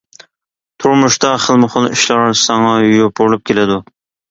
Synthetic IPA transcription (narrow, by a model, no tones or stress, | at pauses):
t̪ʰuɾmuʃt̪ɑχəlˠmɨχʊlˠiʃlɑɾsɑŋɑjjop̚oɾlˠup̚kʲʰelɪd̪u